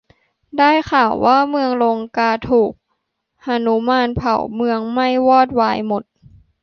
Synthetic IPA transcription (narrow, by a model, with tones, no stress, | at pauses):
daː˥˩jxʰaː˨˩wːʔaː˥˩mɯ˧əŋlo˧ŋkaː˧t̪ʰuː˨˩k̚ | ʔa˧nu˦maː˧˥npʰa̰˨˩wmɯ˧əŋma˥˩jwɔː˥˩t̪̚waː˧jmo˧˩˦t̪̚